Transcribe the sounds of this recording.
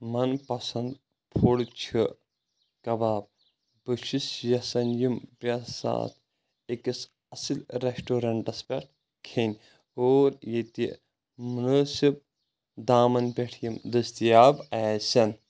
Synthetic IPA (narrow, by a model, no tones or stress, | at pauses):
mɐnpɐsɐnd̪ | pʰoɽt͡ʃʰɨ | kɐbaːb̚ | bɨʃisjɐsɐnjimpʲɐsa̰ːt̪ʰ | ekis | ɐsilɾeʃʈoːɾɐɳʈɐspʲɐʈ̚ʰ | kʰenʲ | oːɾjet̪i | munoːsib̚ | d̪aːmɐnpʲeʈʰjimd̪ɨst̪ijaːbɐːsʲɐn